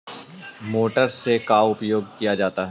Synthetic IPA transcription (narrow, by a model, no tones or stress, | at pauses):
moːʈəɾsekaʊpjoːɡ̚kijad͡ʒaːt̪aɦɛ